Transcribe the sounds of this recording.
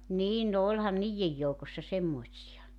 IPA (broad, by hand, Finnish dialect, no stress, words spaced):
niːn no olʲhɑn niːjːej joukosːɑ semːoĭtsiɑ